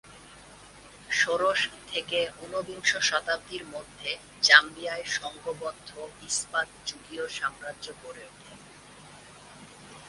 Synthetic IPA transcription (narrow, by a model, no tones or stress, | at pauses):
ʃoɾoʃt̪ʰekeunobiŋʃoʃɔt̪ab̚d̪ʱiɾmod̪ʱːe | t͡ɕambijaeʃɔŋɡobɔd̪ʱːoispat̪̚d͡ʑuɡioʃamɾadokoɾed̪e